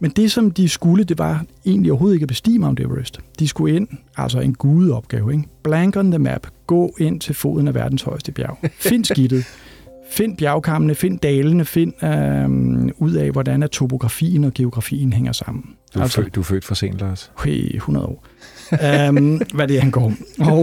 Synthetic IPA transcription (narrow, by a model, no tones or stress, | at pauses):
mend̥e̝sɒ̽md̥isɡ̥uləd̥e̝ʋɑ̈e̝̰ːnliɒʊɦo̝ːð̩ˠeɡ̥æb̥e̝sd̥ḭːmɑɒmd̥eʋʁesd̥d̥isɡ̥ue̝n̰æl̰sɒe̝nɡ̥uːð̩ˠɒ̽b̥̚ɡ̥ɛːʊeɡb̥læŋɡ̥ɐnðəmæ̰b̥ɡ̥ɔ̰̽ːe̝n̰t͡sʰe̝lfo̝̰ːðˠn̩æʋæɐd̥n̩shɒ̽ɪsd̥əb̥jɑ̰ʊfe̝n̰sɡ̥id̥ð̞̩ˠfe̝n̰b̥jæ̈ʊkʰɑ̈mənəfe̝n̰d̥ɛːlənəfe̝n̰ø | uð̞̰ˠɛ̰ʋɒd̥ænæt͡sʰo̝b̥o̝ɡ̥ʁɑ̈fḭːn̩ɒ̽ɡ̥e̝o̝ɡ̥ʁɑ̈fḭːn̩ɦeŋɐsɑ̈m̰n̩ | æl̰sd̥ufø̰d̥fɑsḛːnlɑshḛhunɐðˠɒ̰ː | ʋæd̥ehænɡ̥ɒ̰ːmɒ